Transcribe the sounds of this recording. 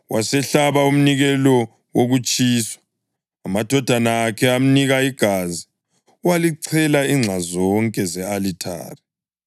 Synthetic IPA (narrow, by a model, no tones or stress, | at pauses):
wasɛɬaβaum̩niɣɛlɔ | woɣut͡ʃʼiːswḁ | amad̥ʱɔd̥ʱanaːkʰɛam̩niɣaiɡ̥ʱazi | waliǀʰɛlaiŋ͡ǁʱazɔŋkʼɛzɛalitʰa̰ːri